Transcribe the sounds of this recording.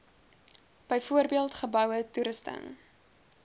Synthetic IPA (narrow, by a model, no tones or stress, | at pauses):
b̥əjfuərbiəlˠtχəbœwətuɾəstə̰ŋ